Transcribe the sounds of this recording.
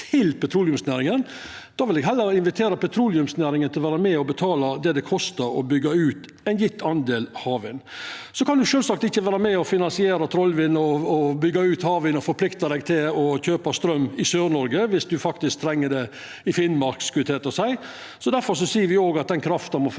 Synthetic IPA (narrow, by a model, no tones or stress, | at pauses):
t̪ʰɪlpʰɛt̪ʰɾuːlɪʉmsnæːɾɪŋən | d̪̥ɑːʋɪlɛɡɦɛlːəɾɪnʋɪt̪ʰeːɾɑpɛt̪ʰɾuːlɪʉmsnæːɾɪŋənt̪ʰɪlʋæːɾɑmɛɔbət̪ʰɑːlɑd̪ɛd̪ɛkʰɔst̪əɾɔ̰bʏɡːɑʉːt̪ | ɛɪnjɪt̪ʰːɑnd̪eːlhɑːʋɪnsɔkʰɑnd̪ʉʂøːlsɑkt̪ɪçːəʋæːɾɑmɛɔfɪnɑnsɪeːɾɑt̪ʰɾɔlːʋɪnːɔːbʏɡːɑʉːt̪hɑːʋɪnɔfɔɾpʰlɪkt̪ɑd̪ɛɡt̪ʰɪlɔçøːpɑst̪ɾœmːɪsøːɾnɔɾɡəʋɪsd̪ʉfɑk̚t̪ɪsk̚t̪ʰɾɛŋːəɖ̪ɛ | ɪfɪnmɑɾkskʰʉlɪt̪ʰeːt̪əsæɪ | sɔd̪æɾfɔɾʂɔsiːəɾʋɪoːɡɑt̪̚d̪ɛnkʰɾɑft̪ɑnmɔ